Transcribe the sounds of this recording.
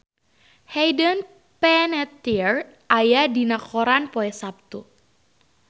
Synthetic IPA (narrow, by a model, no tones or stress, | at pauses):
hɛjdən | pɛnɛt̪ir | ʔajadinakɔɾanpɔɛsap̚t̪u